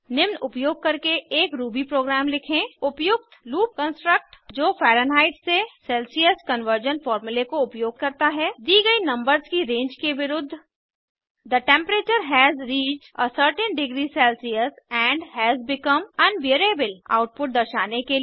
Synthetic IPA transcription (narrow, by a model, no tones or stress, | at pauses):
nɪʋnʊpjoːɡ̚kɐɾkeʔeːkɾuːbipɾoːɡɾæːmlɪkʰẽʊpjʊk̚t̪luːp̚kə̃nsʈɾək̚ʈd͡ʒoːfɛːɾənɦaːɪʈsesɛːlsiəskɐ̃nʋəɾd͡ʒənfɔːɾmjʊlekoʊpjoːɡ̚kɐɾt̪aɦɛːd̪iːɡɐinɐ̃mbəɾzkiɾẽːɲd͡ʒkeʋɪɾʊd̪ʱː | d̪əʈɛ̃mpɾeːt͡ʃəɾɦɛːzɾiːt͡ʃʈəsəɾʈĩnɖɪɡɾisɛːlsiəsɛ̃ːɳɖhɛːzbɪkə̃mɐ̃nʋeɾeːbɪla̰ʊʈ̚pʊʈ̚d̪ɐɾʃaːneke